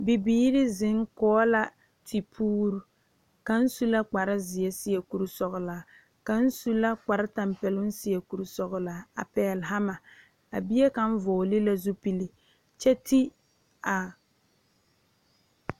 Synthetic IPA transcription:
bi˨biː˦ɾɪ˦zɪ˨˦ŋkɔː˦la˦ | tʰi˨pʰuː˦ɾu˨ | ka˨n̩˦su˦la˦k͡pa˨ɾɪ˦zɪ˨jɛ˦sɪ˦ɛ˨ku˨ɾu˨sɔ˨ɣʊ˨laː˨˦ | ka˨n̩˦su˦la˦k͡pa˨ɾɪ˦ta˨m˦pɛ˨lʊ˦n˦sɪ˦jɛ˨ku˨ɾu˨sɔ˨ɣʊ˨la˨˦a̰˨pɛ˨lɦa˦ma˨ | a̰˨bi˦ɛ˦ka˨n̩˦vɔː˨lɪ˦la˦zu˦pi˦li˦ | t͡ʃɛ˦tʰi˦ | a˨

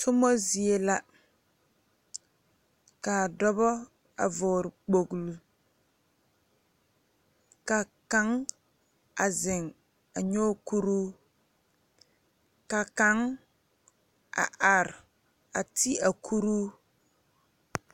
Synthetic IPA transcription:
tʰʊ˦mɔ˦zi˨e˦la˦ | ka˨dɔ˦bɔ˦ | a̰˨vʊː˨ɾɪ˨k͡po˨ɡlu˨ | ka˨ka˦ŋ | a˨zɪ˨ŋ | a˨ɲo˦ku˦ɾuː˦ | ka˨ka˨˦ŋ | a̰˨ʔa˨ɾɪ˨ | a˨tʰi˦a˨kʰu˦ɾuː˦

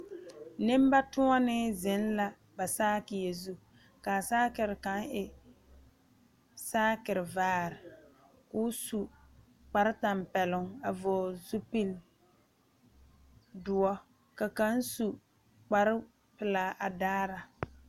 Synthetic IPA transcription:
nɪ˦m˦ba˦tʊ˦ŋɔ˦nɪ˦zɪ˨˦n˦la˨ | ba˨saː˦kɪ˨je˨zu˦ | ka˨saː˦kɪ˨ɾɪ˨ka˦ŋɪ˨ | saː˦kɪ˨ɾɪ˨vaː˦ɾɪ˨ | kʊ˦su˨ | k͡pa˨ɾɪ˦ta˨mpɛ˨lʊ˨ŋa˨vɔ˨zu˦pi˦l | dʊ˨ɔ˦ | ka˨ka˦n˦su˨ | k͡pa˨ɾɪ˦ | pɪ˨laː˨˦ʔa˨daː˦ɾa˨

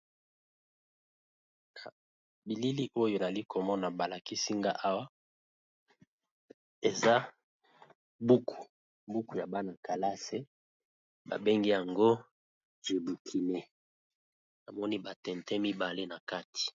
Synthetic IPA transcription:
na˨ | bi˨li˦li˦ʔo˦jo˨n˨a˨li˦ko˨mɔ˦na˨ba˨la˨ki˦si˦ŋɡa̰˦ʔa˦wa˦ | e˨za˦ | bu˦kʰu̥˨ | bu˦ku˨ja˨ba˦na˨ka˨la˦se˦ | ba̰˨be˦ŋɡe˦ja˨ŋɡo˦ | ʒe˨bu˨kʰi˨ne˨ | na˨mɔ˦ni˦ba˨tɛ˨ntɛ˦mi˦ba˨le˦na˨ka˦ti̥˨

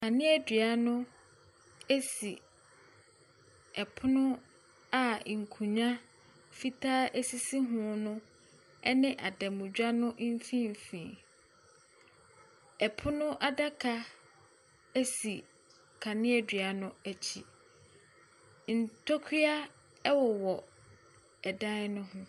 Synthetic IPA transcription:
kʰa˨nɪ̃˦ɛ˨dɥa˦nʊ̃˦ | e˦si˨ | ɛ˨pʰʊ˦nʊ̃˦ | a˦˨ŋ̩˨kʰũ˨ɲã˦ | fi˦tʰaː˦ʔe˦si˦si˦ɦʊ̃˦nʊ̃˦ | ɛ˦nɪ̃˦ʔa˨dɛ˨mʊ̃˨d͡ʑᶣa˦nʊ̃˦ʔ̩˦fĩ˦m˨fĩ˨ | ɛ˨pʰʊ˦nʊ̃˦ʔa˨da˦kʰa˦ | æ˦si˨ | kʰa˨nɪ̃˦ɛ˨dɥa˨nʊ̃˦æ˨t͡ɕʰḭ˨ | n̩˨tʰɔ˦kʰi˦a˦ | ɛ˦wɔ˨wɔ˨ | ɛ˨dã˦nʊ̃˦hʊ̃˦

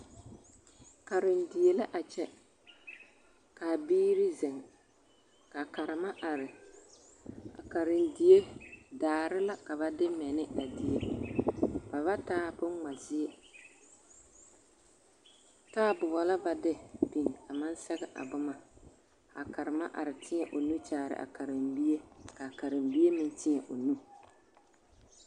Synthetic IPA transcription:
ka˨ɾɪ˨ndi˨je˦la˦ʔa˨t͡ʃɛ˦ | ka˨biː˦ɾi˦zɪ˨ŋ | ka˨ka˨ɾɪ˨ma˦ʔa˨ɾɪ˨ | a̰˨ka˨ɾɪ˨ndi˨je˦daː˨ɾɪ˦la˦ka˨βa˨dɪ˦mɛ˨nɪ˦a˨di˨je˦ | b̥a˨βa˦taː˦pʊ˦ŋ˦ŋa˨zi˦e˦ | taː˦bʊ˨bɔ˨la˦ba˨dɪ˦bi˨n˨ka˨ma˦n˦sɛ˦ɡɛ˦ʔa̰˨bʊ˦ma˨ | a˨ka˨ɾɨ˨ma˦ʔa̰˨ɾɪ˨tɪ˦ɲɛ˨ʔo˨nu˦t͡ʃaː˨ɾɪ̰˨ʔa̰˨ka˨ɾɪ˨mbi˦e˦ka˨ka˨ɾɪ˨mbi˦je˦mɪ˦ntɪ˦ɲɛ˨ʔo˨nu˦

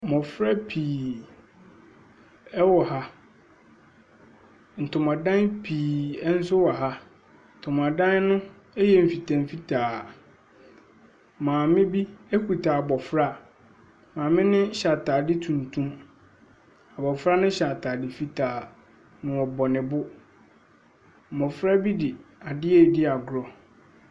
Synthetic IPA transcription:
mɔ̃˨fɾa˦pʰiː˨ | ɛ˦wɔ˨ɦa˦ | n̩˨tʰʊ̃˨mã˨dã˦npʰiː˨ɛ˦n̩˦sʊ˦wɔ˨ɦa˦ | n̩˨tʰʊ̃˨ma˨dã˦nnʊ̃˦ | ɛ˦jɛ˨m̩˨fi˨tʰã˨mfi˦tʰaː˨ | mãː˨mɪ̃˦bi˦e˦kʰu˨tʰa˨bɔ˨fɾa˦ | mãː˨mɪ̃˦nɪ̃˦ɕa˨taː˨dɪ˦tʰũ˨ntʰũ˦m | a˨bɔ˨fɾa˦nʊ̃˦ɕa˨tʰaː˨dɪ˨fi˦tʰaː˨ | nʊ̃˨ɔ˨bɔ˨nɪ̃˨bʊ˦ | m̩˨bɔ˨fɾa˦bi˦dɪ˨a˨dɪ˦ɛ˨dɪ˦a˨ɡɾɔ˨

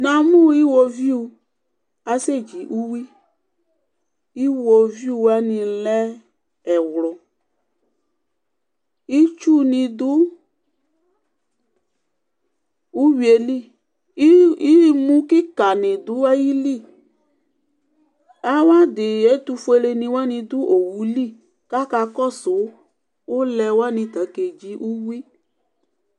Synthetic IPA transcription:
nã˨mũ˦˨i˦wo˨vi˦u˨˧ | a˨se˦˨d͡ʒi˨ʔu˦wi˦ | i˦wo˨vi˦u˨a˦nĩ˨lɛ˦ | ɛ˨wlɔ˨ | i˦t͡ʃu˦nĩ˨d̪ʊ˦ | u˦wi˨e˨li˦˨˦ | i˦mũ˦kɪ˦ka˨nɪ̃˨d̪ʊ˨˦a˦ji˦li˦˨ | a˦wa˦d̪ɪ˨ɛ˨˦t̪u˧fu˦e˦le˧nĩ˧wa˦nĩ˧d̪ʊ˦ʔo˨wu˨˦li˦˨ | ka˦ka˧kɔ˦sʊ˨˦ | ʊ˦lɛ˧wa˦nɪ̃˧t̪a˨ke˨d͡ʒi˦ʔu˦wi˦

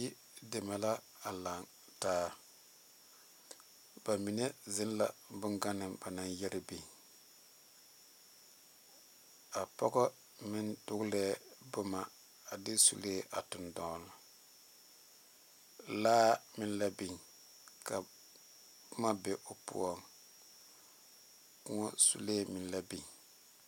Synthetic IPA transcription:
i˦ | de˨ma˨la˦ | a˨la˨ŋ | taː˦ | ba˨mi˨ne˦zɪ˦nla˨bʊ˦ŋɡa˦nɪ˨mba˨na˨njɛ˦ɾɪ˦bi˨ɲ | a˨pɔ˦ɡɔ˦ | mɪ˦ndʊ˦ɡlɛː˦bʊ˦ma˨ | a˨dɪ˦sṵ˦leː˦˨ʔa˨tʊ˨ndɔ˨˦l | laː˦mɪ˦nla˦bi˨ɲ | ka˨ | bʊ˦ma˦be˦ʔʊ˨pʊ̰˦ɔ˦˨ŋ | kʊ˦ŋɔ˦sṵ˦leː˦˨mɪ˨n˦la˦bi˨ɲ

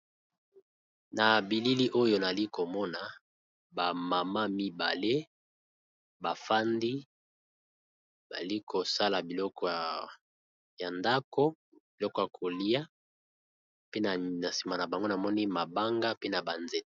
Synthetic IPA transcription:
na˨bi˨li˦li˦ʔo˦jo˨na˨li˦ko˨mɔ˦na˨ | ba˨ma˨ma˦mi˦ba̰˨le˦ | ba˨fa˦ndi˦ | ba̰˨li˦kʰo˨sa˦la˨bi˨lɔ˦kɔ˨ | ja˨nda˦ko˦ | b̥i˨lɔ˦kɔ˨ja˨kʰo˨li˦ja˦ | pe˦na˨na˨si̥˨ma˨na˨ba˨ŋɡo˦na˨mɔ˦ni˦ma˨ba˦ŋɡa˦pe˦na˨ba˨nzɛ˨t

